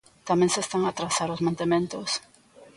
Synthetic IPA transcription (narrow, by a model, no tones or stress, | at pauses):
t̪amẽŋsest̪aŋat̪ɾasaɾozmãnt̪emẽnt̪os